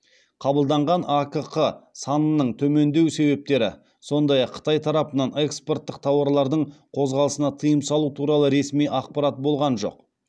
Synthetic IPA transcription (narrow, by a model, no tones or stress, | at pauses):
qʰɑbəlˠd̪ɑɴʁɑnakəqəsɑnənəɴt̪ʰɵme̞nd̪e̞wse̞βe̞p̚t̪e̞ɾɪ̰ | so̞nd̪ɑjɑqʰːə̥t̪ɑjt̪ʰɑɾɑpənɑnekspo̞rt̪ːəqt̪ʰɑwɑɾlˠɑɾd̪əɴqʰo̞zʁɑlˠəsənɑt̪ʰəjəmsɑlˠut̪ʰuɾɑlˠəɾe̞smijʔɑqpɑɾat̪̚bo̞lˠʁɑnʒo̞̰q